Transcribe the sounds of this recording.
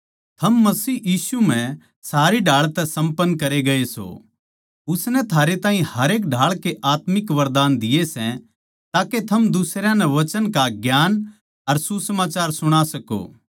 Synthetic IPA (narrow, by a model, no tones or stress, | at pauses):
t̪ʰɐmːɐsiːjiːsum̤ɛ̃ | saːɾiɖʱaːɭt̪ɛsɐ̃mpənːkɐɾeɡɐeso̰ | ʊsnɛ̃t̪ʰaːɾet̪aːɦĩhɐɾeːk̬ɖʱaːɭkeʔaːt̪mɪkʋɐɾd̪aːnd̪ɪjesɛ̃ | t̪aːket̪ʰɐmd̪ʊsɾjãnɛʋɐt͡ʃənkaɡjaːn | ɐɾsusɐmaːt͡ʃaːɾsʊɽ̃asɐko̰ː